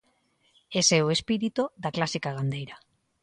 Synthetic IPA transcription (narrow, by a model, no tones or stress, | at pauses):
esewespiɾit̪uðaklasikaɣand̪e̞jɾa